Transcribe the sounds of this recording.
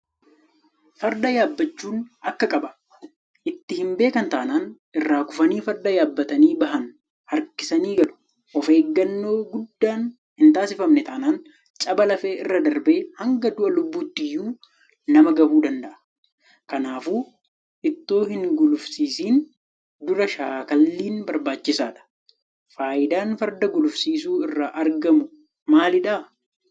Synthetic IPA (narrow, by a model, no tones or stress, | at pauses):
fɐɾd̪ɐjaːbːɐt͡ʃːuːnɐkːɐkʼɐbɐ̥ | ʔɪt̪ːɪhɪmbe̞ːkɐnt̪aːnaːn | ɪrːaːkʊfɐniːfɐɾd̪ɐjaːbːɐt̪ɐniːbɐɦɐn | hɐɾkɪsɐniːɡɐlʊ̥ | ʔɔfeːɡːɐnːo̞ːɡʊd̪ːaːn | hɪnt̪aːsɪfɐmnɛt̪aːnaːn | t͡ʃʼɐbɐlɐfeːʔɪrːɐd̪ɐɾbe̞ːhɐŋɡɐd̪ʊʔɐlʊbːuːt̪ːɪjːuː | nɐmɐɡɐbuːd̪ɐnd̪ɐʔɐ̥ | kɐnaːfuː | ʔɪt̪ːo̞ːhɪŋɡʊlʊfsiːsiːn | d̪ʊɾɐʃaːkɐlːiːnbɐɾbaːt͡ʃːɪsaːᶑɐ̥ | faːʔɪd̪aːnfɐɾd̪ɐɡʊlʊfsiːsuːɪrːaʔɐɾɡɐmʊ | maːlɪᶑa